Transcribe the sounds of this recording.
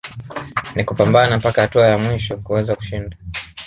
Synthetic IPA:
nikupambanapakahatuajamwiʃɔkuwɛzaku̥ʃinda

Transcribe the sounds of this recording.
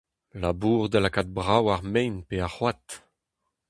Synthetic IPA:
labuːʁd̪alakat̪̚bʁawaʁmɛjnpeaχwat̪

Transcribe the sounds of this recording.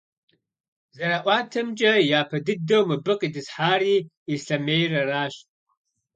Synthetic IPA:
zɐɾaʔʷaːtʰɨmt͡ʃʼɐjaːpʰɐdɨdːowmɨbɨqʼidɨzħaːri | iɬɐmejraraːʃtʼ

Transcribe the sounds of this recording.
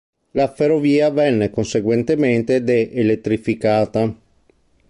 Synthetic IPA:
laferoviːavɛnːekonseɡwent̪ement̪ed̪eʔelet̪ːɾifikaːt̪a

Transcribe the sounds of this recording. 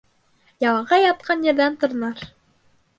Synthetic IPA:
jɑlˠɑʁɑjɑt̪̚qɑnjɘ̆ɾðænt̪ŏɾnɑɾ

